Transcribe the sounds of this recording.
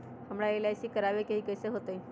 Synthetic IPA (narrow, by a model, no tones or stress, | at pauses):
ɦəmɽaelajsikəɾaʋekeɦikəseɦot̪ei